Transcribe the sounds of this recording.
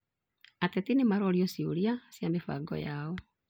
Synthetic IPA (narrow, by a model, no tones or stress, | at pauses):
atetinemaɾɔːɾjɔsiuɾiasjamefa̰ɡɔ̰jaːɔ